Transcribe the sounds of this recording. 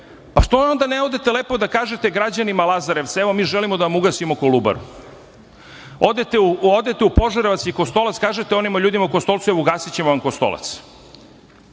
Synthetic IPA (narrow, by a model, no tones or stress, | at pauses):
paʃt̪oond̪aneod̪e̞t̪eleːpo̞d̪akaːʒe̞t̪eɡɾad͡ʑanimalˠazaɾeʋt̪seʋomiːʒelimod̪aʋamuɡasimokoluba̰ɾṵ | od̪et̪euod̪et̪eupo̞ʒaɾeʋat̪sjikost̪o̞lat̪skaːʒet̪eonimaʎuːd̪imauko̞st̪o̞lˠt̪sueʋouɡaːsit͡ɕemoʋamkost̪o̞̰lˠa̰t̪s